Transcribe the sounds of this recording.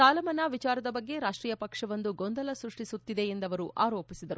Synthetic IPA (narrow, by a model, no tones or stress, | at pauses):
aːlɐmɐnaːʋit͡ʃaːɾɐd̪ɐbɐɡːe̞ɾaːʂʈɾiːjɐpɐkʂɐʋɐnd̪uɡond̪ɐlɐsɾuʂʈisut̪ːid̪e̞ːnd̪ɐʋɐɾuʔaːɾoːpisid̪ɐɾu